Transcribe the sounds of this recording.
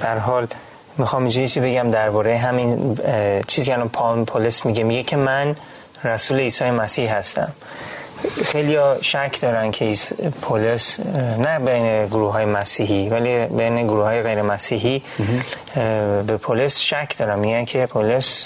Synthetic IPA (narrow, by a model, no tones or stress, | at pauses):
b̥ææɾɦɒːl | mixɒːmid͡ʒɔjet͡ʃʰizbe̞ɟæmd̪æɾbɒːɾejeɦæmin | t͡ʃʰiːziːkʰeælɒːnpʰɒmpʰolesmiɡemiɡecʰe̞mæn | ɾæsuːle̞iːsɒːjemæsihɦæst̪æ̰m | xejlijɒːʃæcʰd̪ɒːɾæncʰeispʰolesnæbejneɡoɾuːhɦɒːjemæsiːɦivælibejneɡoɾuhɒːjeɣejɾe̞mæsiːɦi | be̞pʰolesʃæcʰd̪ɒːɾæmːiɟænkʰe̞pʰolos